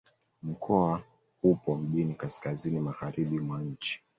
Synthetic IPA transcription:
m̩kʰɔa | hupɔm̩ʄinikaskazinimaɣaɾiɓimwaɲ̩t͡ʃi̥

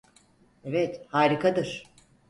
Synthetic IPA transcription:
evɛt̪haːɾikʰad̪ɯɾ̥

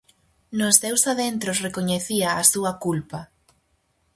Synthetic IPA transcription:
nʊsθewsaðent̪ɾʊsrekoɲeθiaːsuɐkulpɐ

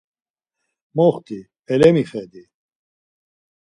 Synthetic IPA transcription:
mɔχt̪i | ɛlɛmiχɛd̪i

